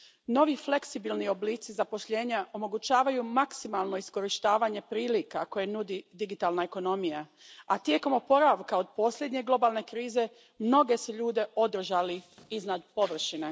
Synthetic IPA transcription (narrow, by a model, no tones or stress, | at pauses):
no̞ʋifle̞ksibilnio̞bliːt̪sizapo̞ʃʎe̞ːɲaʔo̞mo̞ɡut͡ɕaːʋajumaksimalˠno̞isko̞ɾiʃt̪aːʋaɲe̞pɾiːlikako̞je̞nud̪id̪iɡit̪alnaeko̞no̞mijaat̪je̞ko̞mopo̞ɾaʋkao̞d̪̚po̞slʎje̞d̪ɲe̞ɡlˠo̞balne̞kɾiːze̞ | mno̞ɡe̞se̞ʎuːd̪e̞ʔo̞d̪r̩ʒaliiznad̪po̞ʋr̩ʃine